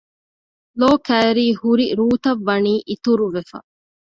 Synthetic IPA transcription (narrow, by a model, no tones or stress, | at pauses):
loːkæːɾiːhuɾiɾuːt̪ɐʋːɐniːʔit̪uɾuʋefɐ̰